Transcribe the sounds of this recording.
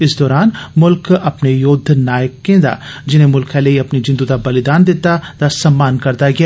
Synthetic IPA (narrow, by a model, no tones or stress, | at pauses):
ɪsd̪ɔːɾaːnmʊlkɐpnejoːd̪ʱnaːjəkːẽːd̪a̰ːd͡ʒɪnẽːmʊlkʰãləiɐpnid͡ʒɪ̃nd̪ud̪abɐlɪd̪aːnd̪ɪt̪ːad̪̥asɐmːaːnkɐɾd̪aɡɪa